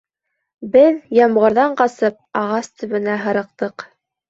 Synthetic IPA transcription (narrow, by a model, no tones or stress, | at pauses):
bɘðjɑmʁɤ̆ɾðɑɴqɑsɤp̚ɑʁɑst̪ɵ̆βɘ̆næɦɤ̆ɾɤ̆q̚t̪ɤq